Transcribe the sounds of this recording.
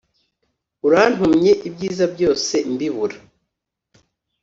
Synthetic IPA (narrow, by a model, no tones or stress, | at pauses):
uɾan̥humɲe̞ʔibɟiːzabɟo̞ːse̞mbiβuɾa